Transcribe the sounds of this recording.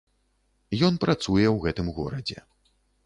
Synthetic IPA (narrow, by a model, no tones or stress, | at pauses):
jɔnpɾat̪sujɛwɣɛt̪ɨmɣɔ̰ɾɐd͡zʲɛ̰